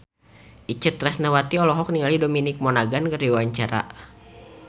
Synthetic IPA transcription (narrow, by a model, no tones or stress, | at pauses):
ʔit͡ʃət̪ɾɛsnawat̪iɔlɔɦɔk̚niŋalidominik̚mɔnaɡankərdiwwaɲt͡ʃaɾa̰